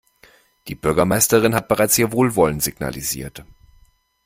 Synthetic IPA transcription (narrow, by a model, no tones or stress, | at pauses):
d̥iːbʏɐɡɐmaɪstəʁɪnɦat̚b̥əʁaɪt͡shiːɐvoːlvɔlənz̥iɡna̰lizḭːɐt